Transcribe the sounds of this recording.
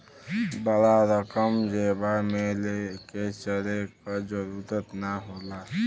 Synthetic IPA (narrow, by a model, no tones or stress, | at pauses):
bəlaɾəkəmd͡ʒebəɾmeleket͡ʃəɾekəd͡ʒəɾuɾət̪naɦola